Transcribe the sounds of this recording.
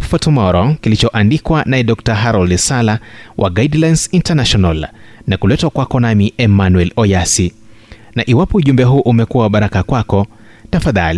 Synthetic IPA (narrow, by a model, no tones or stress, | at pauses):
fɔtumɔɾɔkilit͡ʃɔʔandikwanaɛɗɔk̚taɦaɾɔldsalawʔa̰ɡaidlajnsintanaʃɔnal | nakulɛtwakwakɔnamiɛmanwɛlɔjasi | naʔiwapɔuʄumbɛɦuːʔumɛkuwaɓaɾakakwakɔ | tafaðali